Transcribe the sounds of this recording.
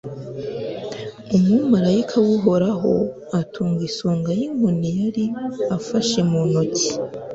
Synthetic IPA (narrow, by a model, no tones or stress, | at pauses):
umumaɾaikʰawuɦo̞ɾaɦo̞̰ | atʰuːŋɡisuːŋɡajiŋunijaɾiafaʃe̞munocʰi̥